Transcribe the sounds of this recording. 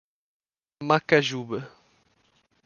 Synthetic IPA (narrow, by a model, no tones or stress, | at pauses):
makaʒubɐ